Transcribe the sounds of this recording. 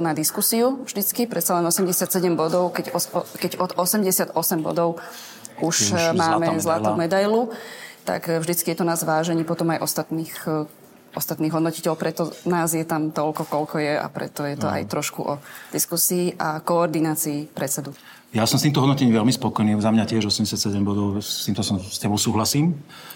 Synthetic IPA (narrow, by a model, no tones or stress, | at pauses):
nad̪iskusiuvʒd̪it͡skipɾɛt̪t͡salɛnɔsɛmɟɛsɪat̪sɛɟɛmbɔd̪ɔʊkɛɟɔkɛɟɔd̪ɔsɛmɟɛsɪad̪ɔsɛmbɔ̰d̪ɔʊ | uʃmaːmɛzlat̪umɛd̪ajlut̪a̰kvʒd̪it͡skijɛt̪ɔnaːzʋaːʒɛɲiːpɔt̪ɔmajʔɔst̪at̪niːx | ʔɔst̪at̪niːɦɔd̪nɔcicɛlpɾɛt̪ɔnaːzjɛt̪amt̪ɔlkɔkɔlkɔjɛa̰pɾɛ̰t̪ɔjɛt̪ɔa̰jt̪ɾɔʃkṵʔɔd̪̥iskusiːʔa̰kɔːɾd̪inaːt͡siːpɾɛt̪t͡sɛd̪u | jasɔmst̪iːmt̪ɔɦɔd̪nɔtcɛɲĩʋɛlmispɔkɔjniːzamɲacɪɛʒɔsɛmɟɛsɪat̪sɛɟɛmbɔd̪ɔʊst̪iːmt̪ɔsɔmscɛbɔʊsuːɦlasiːm